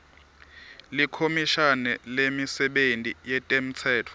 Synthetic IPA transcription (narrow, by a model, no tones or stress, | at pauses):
likʰomiʃanɛlemisɛɓentʼijɛtʼɛm̩t͡sʰɛːtʰɔ̥